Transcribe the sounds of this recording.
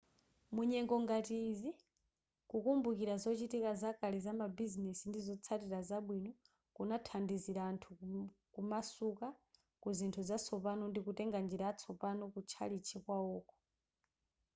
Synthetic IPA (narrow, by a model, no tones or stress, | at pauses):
muɲɛŋɡɔŋɡatizi | kukumbukiɾazɔt͡ʃitikazakalizamabizinɛsindizɔt͡sʰatiɾazaɓwinɔ | kunatʰandiziɾaːntʰukumasuka | kuzintʰuzat͡sʰɔpanɔndikutɛŋɡand͡ʒiɾaːt͡sʰɔpanɔkut͡ʃʰa̰lit͡ʃʰikwaɔːkɔ̥